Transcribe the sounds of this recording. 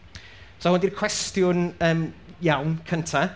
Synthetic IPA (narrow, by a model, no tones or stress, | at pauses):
saʊ̃ndirkʰwɛstjʊnəːmjawnkʰəntʰa